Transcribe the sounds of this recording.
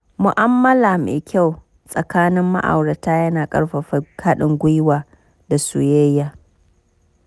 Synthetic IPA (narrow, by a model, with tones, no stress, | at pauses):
mʊ˨ʔa˦mːɐ˦laː˨mḛ˨kʲʰa˦˨w | sʼɐ˨kaː˦nɪ˦mːa̰˦ʔa̰˨wɽɐ˨taː˦jɐ˦naː˨kʼɐ̰˦ɽɸa˨ɸa˦ka˦ɗɪ˨ŋɡʷʊ˦jwaː˨ | da˨sṵ˦˨jɐ˦jjaː˦˨